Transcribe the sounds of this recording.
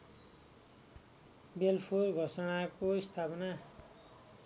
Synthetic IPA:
belpʰorɡʱʌsʌɽ̃akoist̪ʰapʌna

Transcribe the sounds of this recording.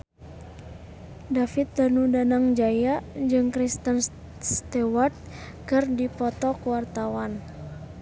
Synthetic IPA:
dafit̪̚ːanudanaŋd͡ʒajad͡ʒɨŋkɾist̪ən | st̪ɛwart̪̚ | kɨrdipɔt̪ɔkuwart̪awan

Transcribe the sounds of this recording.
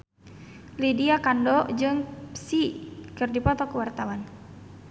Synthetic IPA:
lidiakandɔd͡ʒɨŋpsikɨrdipɔt̪ɔkuwart̪awan

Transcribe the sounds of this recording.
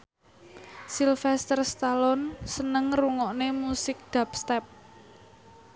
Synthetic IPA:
silfɛst̪ərst̪alɔnsənəŋruŋɔʔnemusɪk̚d̪̥a̤p̚st̪ɛp̚

